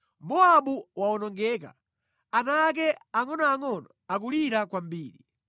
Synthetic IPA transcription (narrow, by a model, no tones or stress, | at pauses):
mɔaɓuwaɔnɔŋɡɛːka̰ | anak̬ɛaŋɔnɔaŋɔnɔak̬uliɾakwambiːɾi